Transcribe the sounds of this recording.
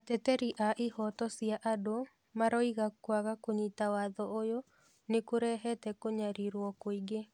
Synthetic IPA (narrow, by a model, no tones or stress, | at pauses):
atɛtɛɾiʔaʔihɔtɔsiaʔado | maɾɔiɣakwaɣakoɲitawaðɔojo | nekoɾɛɦɛtɛkoɲaɾiɾwɔkoiɡe